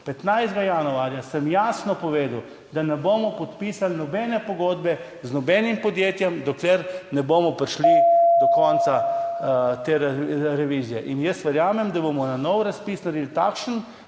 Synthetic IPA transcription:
pɛt̪najzd̪ɡajanuaːɾjasəmjaːsnɔpɔʋeːd̪w | d̪anɛboːmɔpɔt̪pisalnɔbɛnɛpɔɡoːd̪bɛ | znɔbɛnimpɔd̪jeːt̪jɛmd̪ɔkleɾnɛboːmɔpɾiʃlid̪ɔkɔnt̪sa | t̪eːɾɾɛʋizijɛʔinjəst̪ʋəɾjaːmɛmd̪abomɔnanɔwɾaspisnɐɾed̪lt̪a̰kʃən

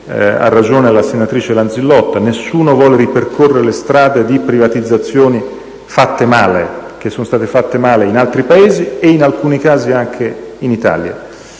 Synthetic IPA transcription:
a̰rːad͡ʒoːnelasenːat̪ɾiːt͡ʃelanzilːɔt̪ːanesːuːnovwɔːleɾiperkʰorːeɾelest̪ɾaːd̪ed̪ipɾivat̪id̪zːat̪sːjoːni | fat̪ːemaːlek̟esːonost̪aːt̪efat̪ːemaːleinalt̪ɾipaeːzieinalkuːnikaːziaŋkʰeinit̪a̰ːlja̰

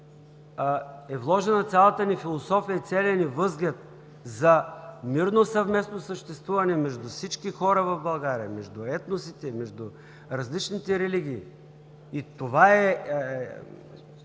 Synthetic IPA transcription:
ɛvlˠɔʒɛnɐt̪sʲjalˠət̪ənifilˠosɔfijəit̪sʲɛlʲɛnivɤzɡlʲət̪̚ | zɐmiɾnosɐvmɛsnosəʃt̪ɛst̪vuvɐnɛmɛʒd̪ufsit͡ʃkixɔɾəvɐvbɐlˠɡaɾiə̰mɛʒd̪uɛt̪nosit̪ɛmɛʒd̪u | ɾɐzlit͡ʃnit̪ɛɾɛliɡ̟ʲiː | it̪ovaɛ

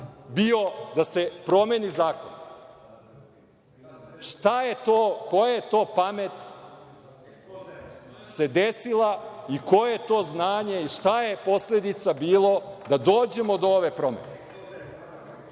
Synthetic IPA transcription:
bio̞d̪ase̞pɾo̞menizaːkon | ʂt̪ajet̪oːko̞jejet̪o̞ːpame̞t̪ | se̞d̪esilˠaiko̞jeet̪o̞ːznaːɲe̞iʂt̪aje̞po̞sle̞d̪it̪sabiːlˠo̞d̪ad̪oːd͡ʑe̞mod̪ooʋe̞pɾo̞mḛne

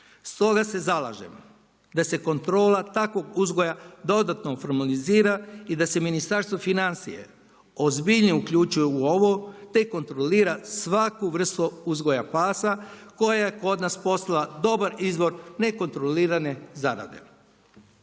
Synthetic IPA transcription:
st̪o̞ɡase̞zalˠa̰ʒḛm | d̪ase̞ko̞nt̪ɾo̞ːlˠat̪akʋo̞ɡuzɡo̞jad̪o̞d̪at̪nofo̞ɾmaliziːɾaid̪ase̞minist̪aɾst̪ʋo̞finansḭjḛ | ozbiʎniukʎut͡ʃujuuoʋot̪eiko̞nt̪ɾoliːɾasʋakuʋr̩st̪uuzɡo̞japaːsako̞jaje̞ko̞d̪naspo̞st̪alad̪o̞baɾizʋo̞ɾne̞ko̞nt̪ɾo̞liːɾane̞zaɾa̰d̪e̞̰

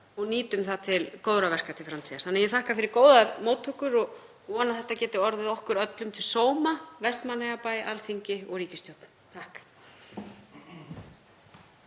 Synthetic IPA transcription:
ɔɣniːt̪ʏmθaðt̪ʰɪlkoːwðɾavɛr̥kat̪ʰɪlfɾamt̪ʰiːðaɾ̥θanːajɛθahkafɪɾɪɾkoːwðaɾmoːwt̪hʏhkʏɾɔɣ | ɔːnaθɛht̪ːacɛːt̪ɪɔɾðɪðɔhkʏɾœt̪lʏmt̪ʰɪlsoːwmavɛst̪manːɛɣapajʔalθiɲcɪɔɣɾiːcɪst̪jowt̪n | t̪ʰahk

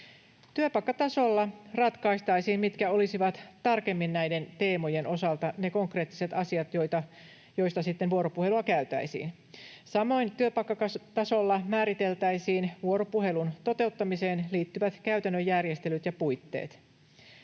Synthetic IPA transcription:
t̪yøpɑikːɑt̪ɑso̞lːɑrɑt̪kɑist̪ɑisiːmmit̪kæo̞lisiʋɑt̪t̪ɑrke̞mːinnæjde̞nt̪e̞ːmo̞je̞no̞sɑlt̪ɑneko̞ŋkre̞ːt̪ːi̥se̞t̪ɑsiɑt̪jo̞jt̪ɑ | jo̞ist̪ɑsit̪ːenʋuo̞ɾo̞puhe̞luɑkæyt̪æ̰isḭːn | sɑmo̞int̪yøpɑikːɑkɑt̪ɑso̞lːɑmæːɾit̪e̞lt̪æisiːnʋuoɾo̞puɦe̞lunt̪o̞t̪e̞ut̪ːɑmiseːnliːt̪ːyʋæt̪kæyt̪ænːøjːærjest̪elyt̪jɑpujt̪ːḛːt̪

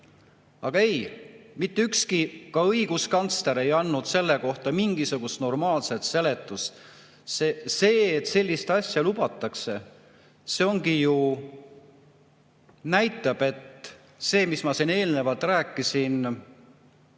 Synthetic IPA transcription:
ɑ̰ɡ̥ɑe̞jmit̪ːeykskikɑɤiɡ̥uskɑnt̪st̪leɾe̞jɑnːud̪̥se̞lːe̞ko̞ht̪ɑmiŋɡ̥isuɡ̥ust̪no̞rmɑːlse̞t̪se̞le̞t̪ːˑus | sese̞ːt̪ːˑse̞lʲːist̪ɑsʲjɑlubɑt̪ːˑɑkse̞ | seo̞ŋɡiju | næjt̪ːˑɑb̥e̞t̪ | se̞ːmismɑsine̞ːlne̞vɑlt̪ˑræːkˑːisin

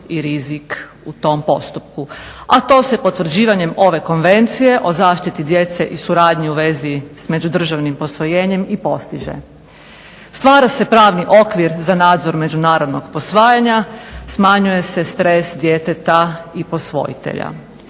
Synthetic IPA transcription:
iɾizik | ut̪o̞mpo̞st̪up̚kuat̪o̞ːse̞po̞t̪ʋr̩d͡ʑiːʋaɲe̞mo̞ʋe̞ko̞nʋe̞nt̪sije̞ʔo̞zaːʃt̪it̪id̪je̞t̪se̞ʔisuɾaːd̪ɲiuʋe̞zisme̞d͡ʑud̪r̩ʒaʋnimpo̞sʋo̞jeːɲe̞mipo̞st̪iʒḛ | st̪ʋaːɾase̞pɾaːʋniʔo̞kʋiɾzanaːd̪zo̞ɾme̞d͡ʒunaːɾo̞d̪no̞ɡpo̞sʋaːjaɲasmaɲuje̞se̞st̪ɾesd̪je̞ːt̪et̪aipo̞sʋo̞̰jḭt̪ḛʎa̰

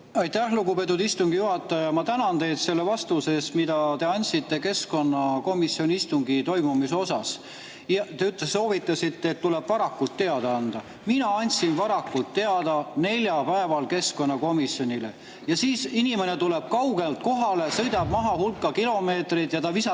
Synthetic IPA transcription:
ɑjt̪æhluɡupe̞t̪̬ːˑud̪ist̪uŋɡ̥ijuɦɑt̪ːˑɑjɑmɑt̪ænɑnt̪e̞jd̪se̞lːevɑst̪use̞ːst̪mid̪ɑt̪e̞ɑnʲt̪ʲsit̪ːe̞ke̞sko̞nːɑko̞misjo̞nʲiist̪uŋɡit̪o̞jmumis̬o̞sɑs | t̪eyt̪lesːo̞ːvit̪ˑːɑsit̪ːeːt̪t̪ːuleb̥vɑɾɑkːult̪ːe̞ɑd̪ɑɑnd̪̥ɑ | minɑɑnʲsinvɑɾɑkːult̪ːe̞ɑd̪̥ɑne̞lʲjɑpæe̞vɑlke̞sko̞nːɑko̞misjo̞nʲile̞̰ | jɑsiːsinʲime̞net̪ule̞b̥̚kɑwɡe̞lt̪̚ko̞ɦɑle̞sɤ̞jd̪ɑb̥mɑɦɑhulkːˑɑkilo̞me̞ːt̪rit̪jɑt̪ɑvisɑ

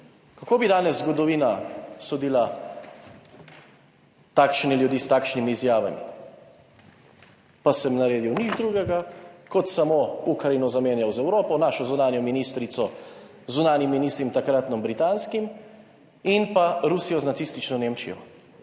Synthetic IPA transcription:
kakoːbid̪aːnɛzːɡɔd̪ɔʋiːnasod̪iːla | t̪aːkʃniljud̪iːst̪aːkʃnimiːzjaːʋa̰mḭ | pasɛmnaɾeːd̪iwnid͡ʒd̪ɾuːɡɛɡakɔt̪samoukɾainɔzameːnjawzɛwɾoːpɔnaːʃɔzunaːnjɔminiːst̪ɾit̪sɔ | zunaːnjimːinist̪ɾimt̪akɾat̪nɔmbɾit̪anskim | inpaɾusijɔznat̪sist̪it͡ʃnɔneːmt͡ʃḭjɔ̰

